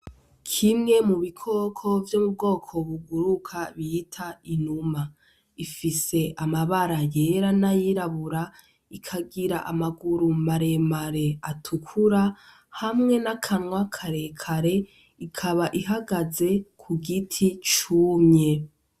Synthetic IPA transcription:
kʰimŋe̞muβikʰo̞kʰo̞vjomub̚ɡo̞ːkʰo̞βuɡuɾukʰaβitʰainuma | ifise̞ʔamaβaɾaje̞ɾanajiɾaβuɾa | ikʰaɡiɾaʔamaɡuɾumaɾe̞maɾe̞atʰukʰuɾa | hamŋe̞nakʰaŋwakʰaɾe̞kʰaɾe̞ | ikʰaβaʔiɦaɡaze̞kʰuɡitʰit͡ʃuːmɲe̞

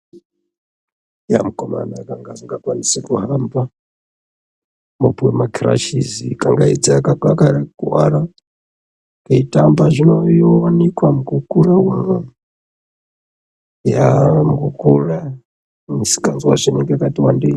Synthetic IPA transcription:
ja̰mukɔma̰naakaŋɡaziŋɡakwanisakuɦamba | mupwɛmakʰiɾa̰ʃizikaŋɡaid͡zaakakakaɾakuwaɾa | kaitambaʐinojɔwanikwamukukulawaŋa | jamɡukula | isi̥kanzwaʐiniŋɡɛakatiwandi

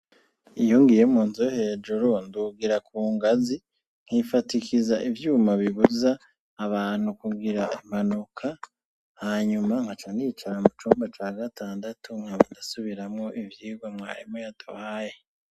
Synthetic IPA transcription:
ijoŋɡijemuːnzojohe̞ːd͡ʒuɾonduɡiɾakʰuːŋɡazi | ŋ̥hifatikizaʔivjuːmaβiβuzaː | βaːn̥hukuɡiɾaʔem̥anukʰa | haɲumaŋhat͡ʃanit͡ʃaɾamut͡ʃuːmbat͡ʃaːɡataːndatʰuŋ̥haβudasuβiɾamŋo̞ʔivjiːɡwamŋa̰ːɾimojatṵhaːje

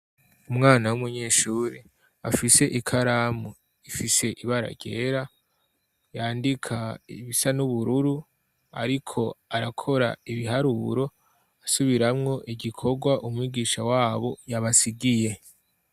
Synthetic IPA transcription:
umŋaːnawumuɲeːʃuɾe | afise̞ʔikʰaɾamu | ifise̞ʔiβaɾa̰ɟe̞ːɾa | jaːndikʰaiβisanuβuɾuɾu | a̰ɾikʰo̞aɾakʰo̞ɾa̰iβiɦaɾuɾo̞ | asuβiɾamŋo̞ʔiɡikʰo̞ɡwaʔumwiːɡiːʃawaːβo̞jaβasiɡije̞

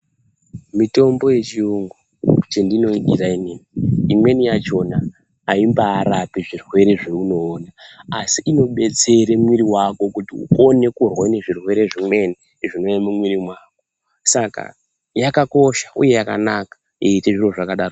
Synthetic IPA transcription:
mito̞mbo̞je̞t͡ʃiuŋɡu | t͡ʃendino̞iɗiraineniimwe̞nijat͡ʃo̞naː | imbaːɾapiʐirwe̞ɾe̞ʐe̞uno̞ːnaːsiʔino̞ɓe̞t͡se̞ɾe̞mwiɾiwako̞kutiṵko̞ne̞kurwaine̞ʐirwe̞ɾe̞ʐimwe̞ni | ʐino̞jamumwiɾimwaːko̥ | saka̰ | jakako̞ʃḁṵje̞jaka̰nakḁ | eiteʐiro̞ʐakaɗaro

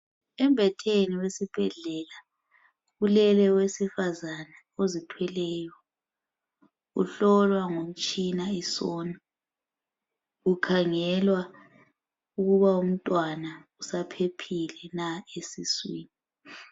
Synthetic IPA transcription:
ɛmbʱɛtʰeniwesib̥ʱɛɮɛla | ɣulɛlɛwesifazana | ozitʰwɛlɛːjɔ | ṵɬɔlwaŋom̩t͡ʃʼinaɛsɔːna | ukʰaŋɛlwa | uɣuβaum̩tʼwanausapʰepʰilɛnaesiswiːni

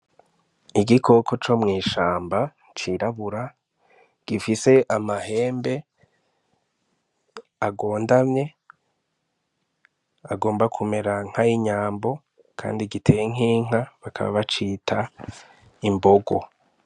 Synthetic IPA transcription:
iɡikʰo̞kʰo̞t͡ʃo̞mŋiːʃaːmba | t͡ʃiɾaβuɾa | ɡ̥ifise̞ʔamahe̞ːmbe̞ | aɡo̞ːndamɲe̞ | aɡo̞ːmbakʰume̞ɾaŋ̥hajiɲaːmbo̞ | kʰa̰ːndiɡitʰejiŋ̥iːŋ̥aβakʰa̰βa̰βat͡ʃiːtʰa | imbo̞ɡo̞

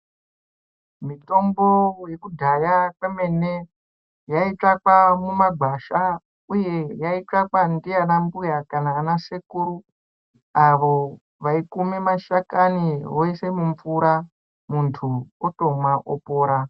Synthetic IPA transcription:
mito̞mbo̞je̞kudʱajakeme̞ne | jait͡ʂakwamumaɡʱaʃa | uje̞jait͡ʂakwandianambujakanaːnasekuɾu | aʋo̞ | ʋaikumemaʃakaniɦoise̞muɱfuɾa | muntʰuoto̞mwaʔopo̞ːɾa

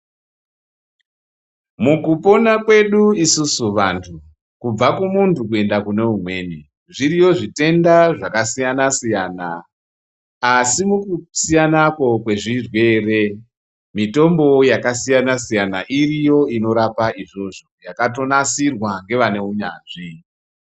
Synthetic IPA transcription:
mukupo̞nakwe̞ɗuisusuʋantʰu | kub͡vakumuntukue̞ndakune̞umwe̞ni | ʐiɾijo̞ʐite̞ndaʐakasijanasijana | simukusijanako̞kwe̞ʐirwe̞ːre̞ | mito̞mbo̞jakasijanasijanaʔirijo̞ino̞ɾapaiʐo̞ʐo̞jakato̞nasirwaŋɡe̞ʋane̞uɲaːnʐi

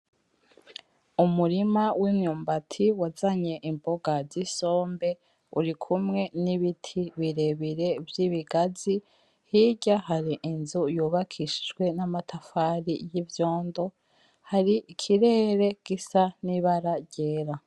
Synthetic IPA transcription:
umuɾimawʔimɲuːmbatʰiwazaɲe̞ʔimbo̞ɡaziso̞ːmbe̞ | uɾikʰumŋe̞niβitʰiβiɾe̞βiɾe̞vjiβiɡazi | hiɟahaɾiʔinzujuːβakʰiʃi̥d͡ʒɡwe̞namatʰafaɾijivjo̞ːndo̞ | haɾiʔːkʰiɾe̞ːɾe̞ɡ̥isaniβaɾaɾɟeːɾa

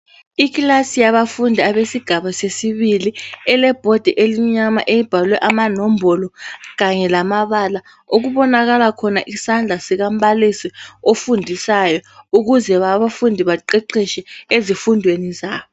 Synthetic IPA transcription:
ik̬lasijaɓafundʱiaɓesiɡ̥ʱaɓasesiɓiliɛlɛb̥ʱod̥ʱiʔeliɲama̰ʔejib̥ʱalwɛʔamanom̩bʱɔlɔkaɲɛlamaɓala | ok̬uɓɔnak̬alakʰɔnaʔisand͡ɮʱasik̬amɓalisiofundʱisajɔuk̬uzɛβaβafundʱiɓaǃɛǃiʃɛezifundʱwenizaːɓɔ

